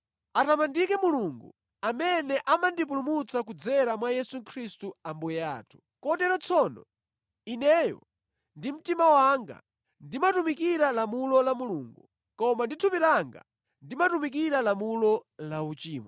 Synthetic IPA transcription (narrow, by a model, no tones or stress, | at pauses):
atamandikɛmuluŋɡṵ | amɛnɛʔamandip̬ulumut͡sak̬ud͡zɛɾamwajɛsukʰɾistuambujɛa̰ːtʰu̥ | kɔtɛɾɔt͡sʰɔnɔ | inɛjɔ̰ | ndim̩timawaŋɡa̰ | ndimatumikiɾalamulɔlamuluːŋɡu | kɔmanditʰupilaŋɡa̰ | ndimatumikiɾalamulɔlaut͡ʃiːma